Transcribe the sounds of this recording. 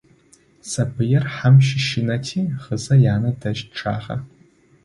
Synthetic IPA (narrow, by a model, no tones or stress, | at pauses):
sabɨjɪrħamʃɪʃɪnatʰiχəzajaːnɨdaʒʈ͡ʂʰa̰χa̰